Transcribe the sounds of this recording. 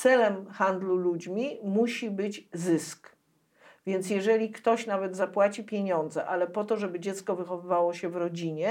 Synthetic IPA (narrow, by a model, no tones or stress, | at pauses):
t̪sɛlɛmxand̪lulud͡ʑmʲimuɕibɘd͡ʑzɘsk | vʲjɛnt̪sjɛʐɛlʲikt̪ɔɕnavɛd̪zapwat͡ɕipʲjeɲɔnd̪zɛʔalɛpɔt̪ɔʐɛbɘd͡ʑɛt̪skɔvɘxɔvɘvawɔɕɛvɾɔd͡ʑiɲɛ